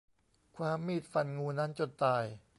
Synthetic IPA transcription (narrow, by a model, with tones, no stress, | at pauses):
kʰwaː˧mːiː˥˩t̪̚fa˧nŋuː˧na˦˥nt͡ɕo˧˩t̪aː˧˩j